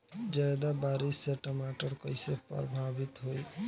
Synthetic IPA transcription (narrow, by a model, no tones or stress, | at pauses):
d͡ʒajd̪abaɾisːeʈəmaʈəɾkəjsepə̰ɾbʱabit̪ɦoj